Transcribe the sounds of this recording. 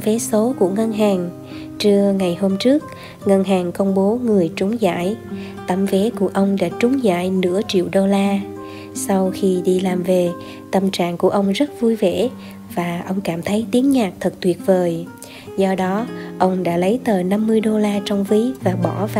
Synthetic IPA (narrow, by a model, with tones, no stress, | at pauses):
ve˨˦so˨˦kṵ˧˩əŋə˧nɦaː˨˩ŋ | t͡ɕɨ˧əŋa˨˩jɦo˧mt͡ɕɨ˦˥ək̚ | ŋə˧nɦaː˨˩ŋkə˧wŋ͡mɓo˨˦ŋɨ˨˩əjt͡ɕʊ˨˦ŋ͡mza̰ː˧˥˨j | t̪ə˧˩mve˨˦ku˧˩əʔə˧wŋ͡mɗa̰ː˧˥t͡ɕʊ˨˦ŋ͡mza̰ː˧˨jnɨ̰˧˥ət͡ɕḭ˧˨əwɗo˧laː˧ | sa˧wxi˧ɗi˧laː˨˩mve˨˩ | t̪ə˧˩mt͡ɕa̰ː˧˨ŋku˧˩əʔə˧wŋ͡mzə˦˥t̚vu˧jvḛ˧˥˩ | vaː˨˩ʔə˧wŋ͡mkaː˧˩mt̪ʰə˨˦jt̪i˨˦əŋɲaː˨˩k̚t̪ʰə˨˩k̚t̪wi˨˩ət̚vəː˨˩j | zɔ˧ɗɔ˨˦ʔə˧wŋ͡mɗa̰ː˧˥lə˨˦jt̪əː˨˩na˧mːɨ˧əjɗo˧laː˧t͡ɕɔ˧wŋ͡mvi˧˦vaː˨˩ɓɔ˧˩v